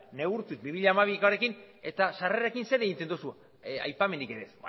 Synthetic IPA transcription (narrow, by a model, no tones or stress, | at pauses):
ne̞ɣuɾt̪uzbiβiʎaːmaβikoɾe̞kin | e̞t̪aʃareɾekinse̞ɾeɣint̪end̪usu | a̰jpame̞nd̪ike̞ɾesb